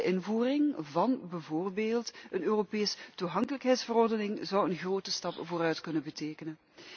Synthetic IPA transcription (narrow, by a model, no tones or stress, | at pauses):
ʔɪnvuːrɪŋvɑnbəvoːrbeːlˠtənøːropeːstuɦɑŋkələkɦɛjtsfərɔrdənɪŋzɑwənɣroːtəstɑpvoːɾœɥtkɵnənbəteːkənən